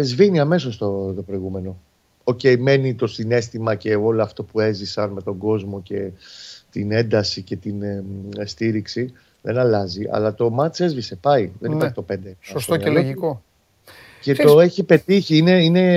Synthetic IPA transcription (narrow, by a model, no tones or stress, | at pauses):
ezviniɐme̞s̬o̞st̪ot̪o̞pɾo̞iɣume̞no̞ | oce̞jme̞nit̪o̞sine̞st̪imɐce̞o̞loɐft̪o̞pue̞zisɐnme̞t̪o̞ŋɡo̞zmo̞ce̞t̪inend̪ɐsice̞t̪inst̪iɾiksi | ðe̞̰nɐlɐziʔɐ̰lɐt̪o̞mɐt͡se̞zvise̞pɐiðe̞niɐɾçi̥et̪ope̞nd̪esost̪oeloʝiko | ce̞t̪oe̞çipe̞t̪içiine̞ine̞